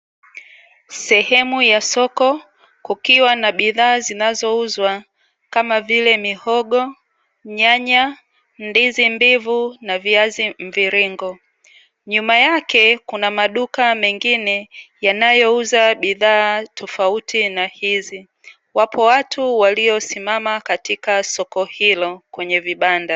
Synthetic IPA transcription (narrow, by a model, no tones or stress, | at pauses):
sɛhɛmujasɔkɔ | kukiwanaɓiðaːzinazɔuzwa | kamavilɛmihɔɠɔ | ɲaɲa | ndizimbivunaviazim̩viɾiŋɡɔ | ɲumajakɛkunamaɗukamɛŋɡinɛjanajɔuzaɓiðaːtʰɔfautʰinahizi | wapʰɔwatuwaliɔsimamakatikasɔkɔhilɔkwɛɲɛviɓanda